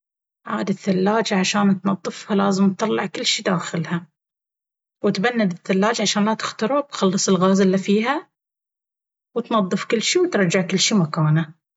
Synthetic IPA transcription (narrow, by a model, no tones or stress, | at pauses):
ʕa̰ːd̪ɪθːalːaːd͡ʒʕaʃaːnt̪nɑðˤːɨfhalaːzɪmt̪t̪ːˤɑlːɑʕkɪlːʃid̪aːxɪlha | wɪt̪banːad̪ɪθːalːaːd͡ʒʕaʃaːnlat̪ɪxt̪ɑɾˤubxɑlːɨsˤɪlɣaːzɪlːifiːɦa | wɪt̪nɑðˤːɨfkɪlːʃiːwt̪ɾˤɑd͡ʒaʕkɪlːʃiːmakaːna